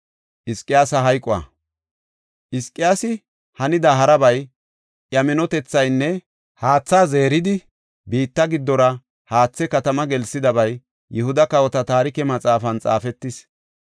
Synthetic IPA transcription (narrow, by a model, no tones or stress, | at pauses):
ʔɪskʼːɪjaːsɐɦɐjkʼʊɐ̰ | ʔɪskʼːɪjaːsɪ | hɐnɪd̪ɐɦɐɾɐbɐj | jɐmɛnɔt̪ɛt͡sːɐjnːɛ | haːt͡sːaːzeːɾɪd̪ɪ | biːt̪ːɐɡɪd̪ːɔɾɐ | haːt͡sːɛkɐt̪ɐmɐɡɛlsɪd̪ɐβɐj | jɛhʊd̪ɐkɐwɔt̪ɐt̪aːɾɪkɛmɐt͡sʼaːfɐnt͡sʼa̰ːfɛt̪ːɪs